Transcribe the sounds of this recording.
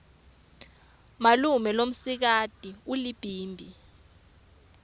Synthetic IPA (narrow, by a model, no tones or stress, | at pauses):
malumɛlom̩sik̬atʼiulib̥ʱiːmbʱi